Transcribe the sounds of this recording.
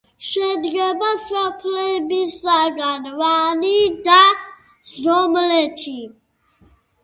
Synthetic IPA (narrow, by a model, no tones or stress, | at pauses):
ʃɛd̪ɡɛbasapʰlɛbisaɡanvanid̪a | zɾɔmlɛt͡ʃʰi